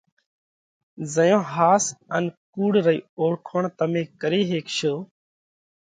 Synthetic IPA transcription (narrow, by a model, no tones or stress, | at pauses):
zəjõːɦaːsənkuːɽɾəḭːoːɽkʰoːɳt̪əmẽːkəɾiːɦeːkʃoː